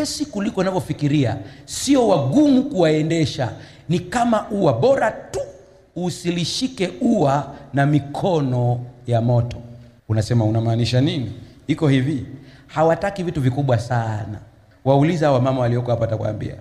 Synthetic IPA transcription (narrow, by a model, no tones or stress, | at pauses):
ɛsikulikɔnavjɔfikiɾiasiɔwaɠumukuwaɛndɛʃa | nikamaʔuwaɓɔɾatuː | siliʃikɛuwanamikʰɔnɔjamɔtɔ̥ | unasɛmaunamaːniʃaniniikɔhivihawatakivituvikuɓwasana̰ | waulizahawamamawaliɔkɔhapaatakwa̰ːmbḭa̰